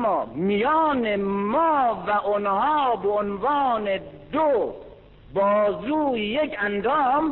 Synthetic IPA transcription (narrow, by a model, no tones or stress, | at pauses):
ɔːmijɔːnemɔːvæʔonhɔːbeonvɑːned̪o | bɒːzuːjekʰænd̪ɒːm